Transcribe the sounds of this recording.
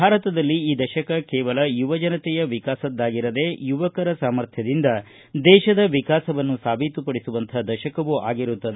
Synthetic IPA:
bʱaːɾɐt̪ɐd̪ɐlːiiːd̪ɐʃɐkɐkɛːʋɐlɐjuʋɐd͡ʒɐnɐt̪ɛjɐʋikaːsɐd̪ːaːɡiɾɐd̪e̞juʋɐkɐɾɐsaːmɐɾt̪ʰjɐd̪ind̪ɐ | d̪ɛːʃɐd̪ɐʋikaːsɐʋɐnːusaːbʱit̪upɐɽisuʋɐnt̪ʰɐd̪ɐʃɐkɐʋuʔa̰ːɡiɾut̪ːɐd̪e

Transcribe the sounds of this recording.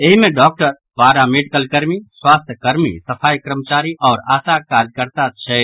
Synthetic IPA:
eɦimẽɖɔk̚ʈəɾ | paːɾameɖikəlkəɾmisswast̪ʰjəkəɾmḭsəpʰajkɾəmət͡ʃaːɾiʔɔːɾaːsakad͡ʒkəɾt̪at͡ʃʰɛ

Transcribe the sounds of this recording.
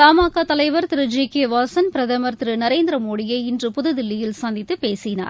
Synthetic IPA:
t̪aːmaːkaːt̪ɐlɐɪʋɐɾt̪ɪɾɯd͡ʒikeːʋaːsɐnpɪɾɐðɐmɐɾt̪ɪɾɯnɐɾeːnd̪ɪɾɐmoːɽɪjɐɪɪndrɯpʊðɯðɪlːɪjɪlsɐːnd̪ɪt̪ːɯpeːsɪna̰ːɾ

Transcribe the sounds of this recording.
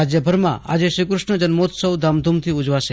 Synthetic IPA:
ad͡ʑjəbʱəɾmã̰a̰d͡ʑeʃikɾuʂɳəd͡ʑənmot̪səwd̪ʱamd̪ʱumt̪ʰiud͡ʒʋaʃe

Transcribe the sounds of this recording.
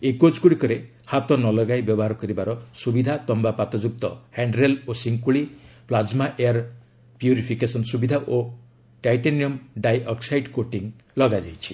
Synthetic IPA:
ekot͡ʃkuɽikɔɾe | hat̪ɔnɔlɔɡajbjɔbɔɦaɾɔkɔɾibaɾɔsubid̪ʱat̪ɔmbapat̪ɔd͡ʒuk̚t̪ɔheɳɖɾelosiŋkuɭiplad͡ʒmaʔeaɾ | pjuɾipʰikesɔnsubid̪ʱaʔo | ʈajʈeniɔmɖajɔksajɖkoʈiŋ | lɔɡad͡ʒajt͡ʃʰi̥

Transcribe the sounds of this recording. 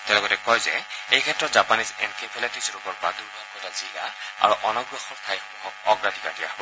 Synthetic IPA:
tɛlɔɡɔtɛkɔjzɛ̰ejkʰɛtːɹɔtzapanisɛnkʰepʰɛlatisɹupɔɹbaduɹbʱaɡjɔtazila̰a̰ɹuʔɔnɔɡɹɔxɔɹkʰajxɔŋɔkɔɡɹadʱikatija̰

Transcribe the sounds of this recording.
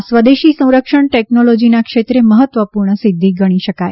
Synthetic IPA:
sʋəd̪eʃisə̃w̃ɾəkʂəɳʈeknolod͡ʒinakʃet̪ɾeməɦət̪ːʋəpuɾɳəsid̪ʱːiɡəɽ̃iʃəkaj

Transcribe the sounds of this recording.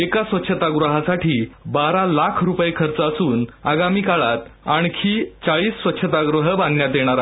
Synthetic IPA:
ekasʋət̪ːɕʰət̪aɡɾəɦasaʈʰiːbaɾalakʰɾupjekʰəɾt͡səəsuːnaɡamiːkaɭat̪aɳ̃kʰiːt͡saɭiːsːʋət̪ːɕʰət̪aɡɾuɦəbãnɡnjat̪jeɽ̃aɾa

